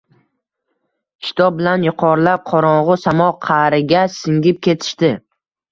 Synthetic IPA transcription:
kʲʰɪ̥t̪ʰɒb̚bɪlanjʊqʰɒɾlap̚qʰɒɾɒɴʁʊsamɒqʰɑɾɪɡʲasɪŋɡʲɪp̚kʲʰe̞t̪ʰɪ̥ʃt̪ɪ

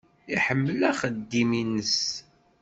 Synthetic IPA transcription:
iħəmːəlæχəd̪ːiminəs

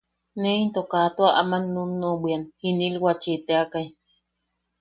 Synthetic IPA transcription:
neint̪okat̪oaʔamanːunːobianhinilwat͡ʃit̪eakaj

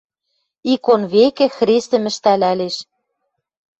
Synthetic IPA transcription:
ikonβekĕxrest̪ɘ̆mɘ̆ʃt̪ælæleʃ

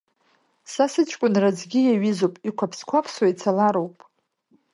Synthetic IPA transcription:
sasɨt͡ʃʷʰʼkʷʼʊnrad͡zɡʲijaɥizowpʼikʷʰapʰskʷʰapʰswait͡sʰalaɾowpʼ

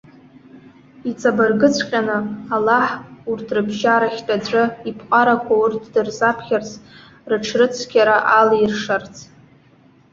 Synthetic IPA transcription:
it͡sʼabarɡɨt͡sʷʰqʲʼanɨalaħurtʰrɨbʒaɾaχʲtʼad͡ʒʷʼɨipʰqʼaɾakʷʰaurtʰdɨrzapʰχʲart͡sʰ | rɨʈ͡ʂʰrɨt͡sʷʰkʲaɾaʔalirʂart͡sʰ

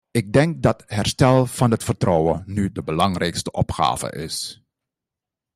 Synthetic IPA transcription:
ɪɡ̚dɛŋk̚dɑtɦɛɹstɛlˠv̥ɑnɦətfərtrɔwənydəbəlɑŋrɛjkstəʔɔpχa̰ːvə̰ʔɪ̰s

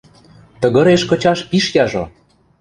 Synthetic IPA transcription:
t̪ɤ̆ɣɤ̆ɾeʃkɤ̆t͡ɕɑʃpiʃjɑʒo

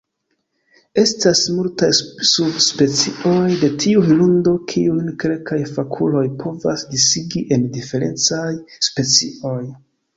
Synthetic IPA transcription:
e̞stasmultajsubspe̞t͡siʔo̞jde̞tʰiuhilundo̞kʰiunke̞lkajfakʰulo̞jpʰo̞vasdisiɡiʔe̞ndife̞ɾe̞̰nt͡sajspe̞t͡sḭo̞j

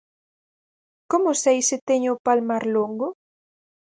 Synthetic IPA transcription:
komʊsejsɪt̪eɲʊpalmaɾloŋɡʊ

